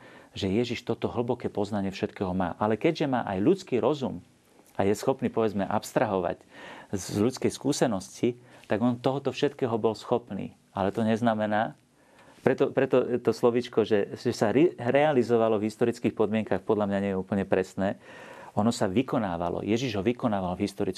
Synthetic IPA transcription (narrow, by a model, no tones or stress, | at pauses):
ʒɛjɛʒiʃt̪ɔt̪ɔɦl̩bɔkɛːpɔznaɲɪɛfʃɛt̪kɛːɦɔma̰ːʔalɛkɛɟʒɛma̰ːʔajʎut͡skiːɾɔzum | ajɛsxɔpniːpɔʋɛd͡zmɛʔapst̪ɾaɦɔʋa̰czʎut͡skɛjskuːsɛnɔscit̪aɡɔnt̪ɔɦɔt̪ɔfʃɛt̪kɛːɦɔbɔlsxɔpnḭː | alɛt̪ɔɲɛznamɛnaː | pɾɛt̪ɔpɾɛt̪ɔt̪ɔslɔʋit͡ʃkɔʒɛʒɛsaɾiɾɛalizɔʋalɔvɦist̪ɔɾit͡skiːxpɔd̪mɪɛŋkaxpɔd̪ʎamɲaɲɛjɛuːpəl̩ɲɛpɾɛsnɛː | ɔnɔsaʋikɔnaːʋa̰lɔ̰jɛʒiʒɦɔʋikɔnaːʋalvɦist̪ɔɾit͡sk